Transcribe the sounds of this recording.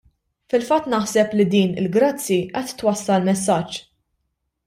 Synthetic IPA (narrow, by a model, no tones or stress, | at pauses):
fɪlfɐt̪ːnɐħsɛplid̪iːnɪ̰lɡɾɐt͡sːiʔɛt̪ːwɐsːɐlmɛsːɐt͡ʃː